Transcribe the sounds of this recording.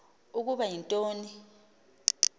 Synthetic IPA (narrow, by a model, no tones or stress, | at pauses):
uk̬uɓajintʼoːni